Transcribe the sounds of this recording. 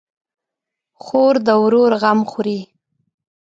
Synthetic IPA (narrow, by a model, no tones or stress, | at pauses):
xoɾd̪əwɾoɾɣamxʊɾi